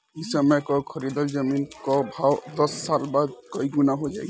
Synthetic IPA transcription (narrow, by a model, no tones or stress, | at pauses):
isəmɛkɔkʰəɾid̪əld͡ʒəminkɔbʱawd̪ɔsːalbad̪̚kɔiɡunaɦod͡ʒaj